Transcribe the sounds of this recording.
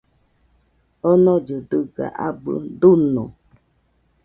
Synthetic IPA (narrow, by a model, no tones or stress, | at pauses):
ɔnɔ̃d͡ʒədɨɡa̰ʔabɨ̰dunɔ̰̃